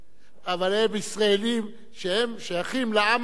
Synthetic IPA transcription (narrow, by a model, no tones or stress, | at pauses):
avalebisʁaelim | ʃehemʃojaχimlaam